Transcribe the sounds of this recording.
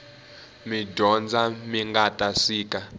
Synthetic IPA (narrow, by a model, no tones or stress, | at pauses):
miɟʱɔnd͡zʱamiŋɡatʼasiːkʼa